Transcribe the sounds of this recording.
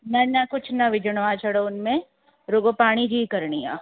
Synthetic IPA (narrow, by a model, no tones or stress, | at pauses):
nɐnɐkʊt͡ʃʰnɐʋɪd͡ʒəɽ̃ʋat͡ʃʰɐɽoʊnmẽ | ɾoɡopaːɽ̃id͡ʒiːkɐɾɳija̰ː